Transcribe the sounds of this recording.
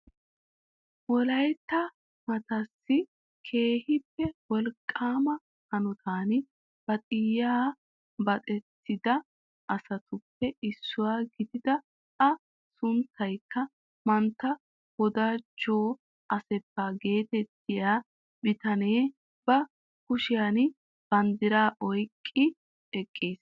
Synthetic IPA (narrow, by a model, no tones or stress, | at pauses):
wɔlɐjt̪ːɐ | mɐt̪ɐsːɪ | kʰe̞ːhɪpːɛwɔlkʼːaːmɐ | hɐnɔt̪ʰaːnɪ | b̥ɐt̪ʼɪjːaː | bɐt̪ʼɛt̪ːɪd̪ɐ | ʔɐsɐt̪ʊpːɛʔɪsːʊwaːɡɪd̪ɪd̪ɐ | ɐ | sʊnt̪ːɐjkːɐ | mɐnt̪ːɐ | hɔd̪ad͡ʒoː | ʔɐsɛbːaːɡe̞ːt̪ɛt̪ːɪjaː | bɪt̪ɐneː | b̥ɐ | kʊʃɪjan | b̥ɐnd̪ɪɾaːʔɔjkʼːɪ | ɛkʼːiːs